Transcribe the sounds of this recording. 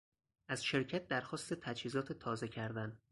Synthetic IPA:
ʔæz̥ʃe̞ɾcʰæt̪̚d̪æɾxɒːst̪e̞t̪ʰæd͡ʒhiːzɒːt̪ʰe̞t̪ʰɒːze̞cʰæɾd̪æn

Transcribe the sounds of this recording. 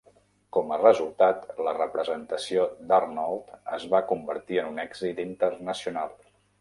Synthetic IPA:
kɔmərəzulˠt̪at̪lərəpɾəzənt̪əsiod̪arnɔlˠt̪əzβakumbəɾt̪iənunɛɡzit̪int̪əɾnəsiunalˠ

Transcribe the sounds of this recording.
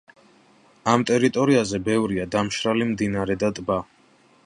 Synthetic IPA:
amt̪ʼɛɾit̪ʼɔɾiazɛbɛvɾiad̪amʃɾalimd̪inaɾɛd̪at̪ʼba

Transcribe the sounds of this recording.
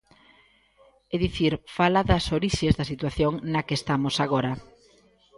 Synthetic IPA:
eðiθiɾfalɐðɐsoɾiʃezðɐsit̪waθjoŋnɐkest̪amosaɣoɾɐ

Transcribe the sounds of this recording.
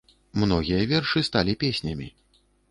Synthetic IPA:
mnɔɣʲijɐvʲɛrʂɨst̪alʲipʲesʲnʲɐmʲḭ

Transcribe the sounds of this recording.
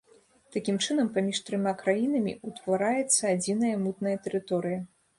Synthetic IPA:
t̪akʲimt͡ʂɨnɐmpamʲiʂt̪ɾɨmʲakɾajinɐmʲḭut̪vaɾajɛt̪sːɐad͡zʲinɐjɐmut̪nɐjɐt̪ɛɾɨt̪ɔɾɨjɐ

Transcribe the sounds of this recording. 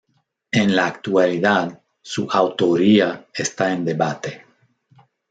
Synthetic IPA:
enlaːkt̪waliðað | suʔawt̪o̞ɾiaest̪aend̪e̞βat̪e

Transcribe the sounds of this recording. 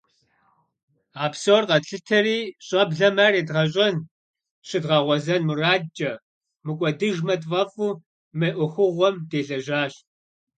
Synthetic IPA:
aːpsoːrqɐɬɨtʰɐriːɕʼɐbɮɐmareːdʁɐɕ̬ʼɐn | ɕɪdʁɐʁʷɔzɐnmɨraːdd͡ʒʼɐ | mɨkʷʼɔdɨʒmɐtʼvʼɐfuː | mɐʔʷʊxʷʊʁʷɔmdeːɮɐʑaːɕt

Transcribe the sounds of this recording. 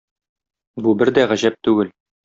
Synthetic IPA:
bubɘɾd̪æʁæʑæp̚t̪ʉɡɘl

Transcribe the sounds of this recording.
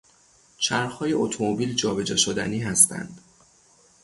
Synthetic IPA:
t͡ʃʰæɾxhɒːje̞ʔot̪ʰomobiːld͡ʒɒːbe̞d͡ʒeʃod̪æ̰niːɦæst̪ʰæ̰nd̪̥

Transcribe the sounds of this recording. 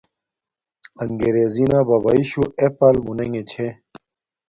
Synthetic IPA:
ɐŋɡeɾeːzinabɐbɐiɕuepɐlmuneŋet͡ɕʰe

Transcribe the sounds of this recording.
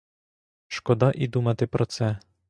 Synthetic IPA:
ʃkɔd̪aʔid̪umat̪ɪpɾɔt̪sɛ

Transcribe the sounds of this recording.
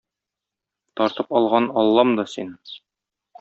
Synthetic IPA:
t̪ɒɾt̪ɤpɒlˠʁɑnɒlˠːɑmd̪ɒsin

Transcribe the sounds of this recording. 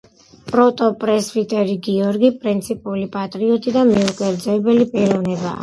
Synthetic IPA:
pʼɾɔt̪ʼɔpʼɾɛsbit̪ʼɛɾiɡiɔɾɡipʼɾint̪sʰipʼulipʼat̪ʼɾiɔt̪ʼid̪amɛukʼɛɾd̪zɛːbɛlipʼiɾɔvnɛba̰ː

